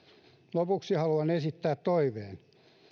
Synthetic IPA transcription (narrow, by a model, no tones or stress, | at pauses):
lopuksihɑluɑnesit̪ːæːt̪t̪oiʋeːn